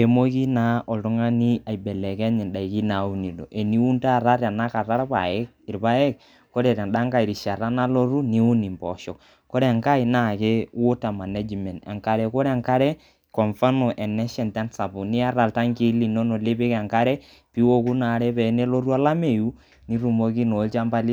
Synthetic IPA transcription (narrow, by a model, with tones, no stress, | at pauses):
e˨mo˦ki˦na˨˦ɔ˨ltʊ˦ŋa˦ni˦a˨i˨bɛ˨lɛ˨kɛ˦ɲɪ˨nda˨i˨ki˦na˨u˦ni˨lo̰˨ʔe˨ni˦u˦nta˦˨ɾa˦ɾa˨na˦ka˨ra˦ɾpa̰˨ɛ˦k | ɪ˨ɾpa˦ɛ˦k̚ | ko˦ɾɛ˨ɾa˨nɗa˦ŋka˦˨i˨ɾi˨ʃa˨ɾa˦na˦lo˦ɾu˦ni˦u˦ni˨mpɔ˨ʃɔ˨k | ko˦ɾe˦a˨ŋka˦i˨na˦˨ke˦wo˦ta˨ma˨ne˦d͡ʒmɛ˨nta̰˨ŋka˨ɾɛ˨ko˦ɾa˨ŋka˦ɾɛ˦ | kɔ˨ɱfa˦no˨ʔɛ˨nɛ˦ʃɛ˨ntɛ˦nsa˨bʊ˨nɪ˦a˦ra˨lta˦ŋki˦li˨no˦no˨le˦pɪ˦ka˨ŋka˦ɾɛ˦ | pi˦wo˦ku˦na˨ɾɛ˦pɛ˨˦ne˦lo˦ɾu˦a˦la˦me˨ju˦ | ni˦ɾu˨mo˧k̬i˦no˨˦lt͡ʃa˦mba˦li˦